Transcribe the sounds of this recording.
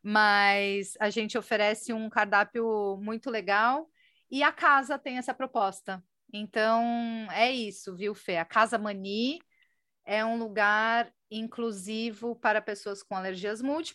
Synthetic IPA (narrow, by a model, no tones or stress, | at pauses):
mɐjzaʒẽnt͡ʃɪofeɾɛsɪũkaɾd̪apjʊmũj̃t̪ʊleɡaw | ɪɐkazɐt̪ẽj̃ɛsɐpɾopɔst̪ɐ | ẽnt̪ɐ̃w̃ɛisʊviwfeɐkazɐmɐ̃ni | ɛũluɡaɾ | ĩŋkluzivʊpaɾɐpesoɐskõw̃aleɾʒiɐzmuwt͡ʃi̥p